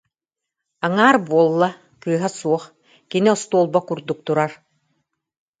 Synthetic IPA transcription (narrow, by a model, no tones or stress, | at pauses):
aŋaːɾbuɔlˠːa | kɯːɦasuɔχ | kiniɔst̪uɔlˠbakuɾd̪uk̚t̪uɾaɾ